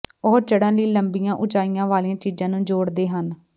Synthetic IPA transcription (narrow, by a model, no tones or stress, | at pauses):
ɔːt͡ʃəɽãːliːləmbijãːʔʊt͡ʃaːijãːʋaːliãːt͡ʃiːd͡ʒãːnũːd͡ʒoːɽd̪eːɦən